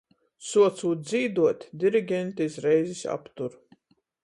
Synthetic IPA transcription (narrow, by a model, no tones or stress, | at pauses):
suɔt̪suːt̪̚zʲiːd̪uɔt̪ʲd̪ʲiɾiɡʲɛnt̪izɾɛjzisʲa̰pt̪uɾ